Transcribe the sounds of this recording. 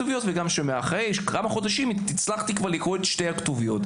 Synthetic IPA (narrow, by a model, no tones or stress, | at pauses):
uvijo̞tveɡamʃemeaχʁejʃkʰamaχo̞d̪aʃimit͡slaχt̪ikvaʁlikʁoetʃte̞jhaktuvijo̞t